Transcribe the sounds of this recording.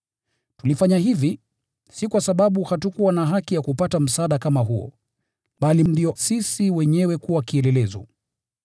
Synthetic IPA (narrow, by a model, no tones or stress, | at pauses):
tulifaɲaɦivi | sikwasaɓaɓuhatukuwanaɦakijakupatam̩saɗakamaɦuɔ̰ | ɓalindiɔsisiwɛɲɛwɛkuwakiɛlɛlɛzɔ̰